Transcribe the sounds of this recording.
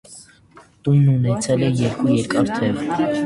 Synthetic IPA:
t̪ununɛt͡sʰɛlɛjɛɾkujɛɾkɑɾt̪ʰɛv

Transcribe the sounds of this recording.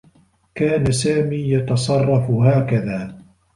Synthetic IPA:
kaːnasaːmiːjɑt̪ɑsˤɑrˤːɑfɦaːkaðaː

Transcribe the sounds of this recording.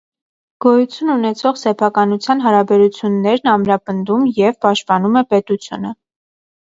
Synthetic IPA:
ɡ̥ɔjut͡sʰjununɛt͡sʰɔχsɛpʰɑkɑnut͡sʰjɑn̪ɦɑɾɑbɛɾut͡sʰjunːɛɾnɑmɾɑpənd̪umjɛvpɑʃt̪̚pɑnumɛpɛt̪ut͡sʰjṵnə

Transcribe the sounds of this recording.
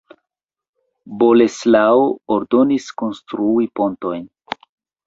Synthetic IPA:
bo̞leslaooɾdo̞nisko̞nstɾuipo̞nto̞jn

